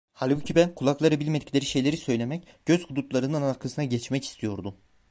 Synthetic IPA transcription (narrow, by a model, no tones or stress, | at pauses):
halʲbucʰibænkʰulˠaklˠaɾɯbilʲme̞d̪iclʲe̞ɾiʃe̞jlʲeɾisø̞jlʲe̞mɛcɟ̥ø̞z̥hud̪ut̪lˠaɾɯnɯnaɾkʰasɯnaɟɛt͡ʃmɛci̥st̪ʰijo̞ɾd̪u